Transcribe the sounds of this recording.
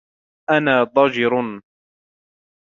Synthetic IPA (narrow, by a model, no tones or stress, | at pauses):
ʔanaːd̪ˤɑd͡ʒɾ